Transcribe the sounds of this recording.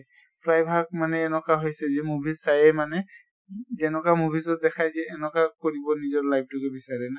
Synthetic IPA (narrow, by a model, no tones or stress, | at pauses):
pʰɹajbʱaɡ̚manɛːnɔkaɦojsɛzɛmubʱizsajɛmanɛ | zɛnɔkamubʱizɔt̚dɛkʰajzɛːnɔkakoɹibɔnizɔɹlajb̚tukɛbisaɹɛna